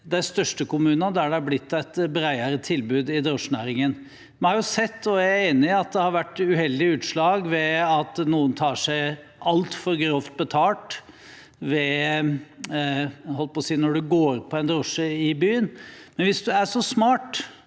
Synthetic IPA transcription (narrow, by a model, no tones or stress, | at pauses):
d̪æɪst̪œʂʈəkʊmʉːnɑd̪æɖɛɑblɪt̪ːæɪt̪bɾæɪəɾət̪ʰɪlbʉːd̪ɪd̪ɾɔʂnæ̰ːɾɪŋən | mɛnhɑɾjʊsɛt̪ːɔjæeːnɪɑt̪̚d̪ɛhɑɾʋæʈːʉhɛld̪ɪʉːt̪ʂɭɑːɡʋɛɑt̪nuːənt̪ʰɑːʂæɪ | ʔɑlt̪fɔɾɡɾɔft̪̚bət̪ʰɑːʈ | ʋɛ | hɔlpɔsiːnɔɖʉɡoːɾpʰɔɛnd̪ɾɔʂəɪbyːənmɛnʋɪsd̪ʉæʂɔsmɑːʈ